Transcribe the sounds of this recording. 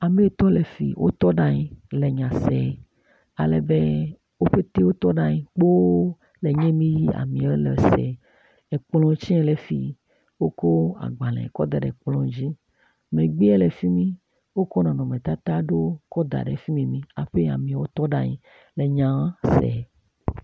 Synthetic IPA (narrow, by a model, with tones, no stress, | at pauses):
a˨me˦t̪ɔ˦le˨fḭ˨wʔo̰˦t̪ɔ˦ɖa˦ɲĩ˨le˨ɲã˨sɛ˨˦ | a˨le˨be˦ | wo˦ɸe˦t̪e˦wo˦t̪ɔ˦ɖa˦ɲĩ˨k͡po˦ | le˨ɲẽ˦mĩ˦ji˦a̰˨mĩ˨˦le˨sɛ̰˨ | ɛ˨k͡plɔ̃˦t͡ʃi˦ɛ˦le˨fi˨ | wo˦ko˦a̰˨ɡ͡ba˨lɛ̰̃˨kɔ˦d̪a˨ɖɛ̰˨k͡plɔ̃˦d͡ʑi˦ | mẽ˨ɡ͡bi˦ɛ˦le˨fi˦mĩ˦ | wo˦kɔ˦nã˨nɔ̃˨mẽ˨t̪a˦t̪a˦ɖo˦kɔ˦d̪a̰˨ɖḛ˨fi˦mĩ˨mĩ˦a̰˨ɸe˦a̰˨mĩ˨wo˦t̪ɔ˦ɖa˦ɲĩ˨ | le˨ɲã˨wã˦sɛ̰˨